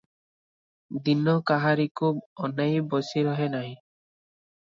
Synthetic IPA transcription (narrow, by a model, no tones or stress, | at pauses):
d̪inɔkaɦaɾikʰub̚ɔnejbɔsiɾɔɦenaj̃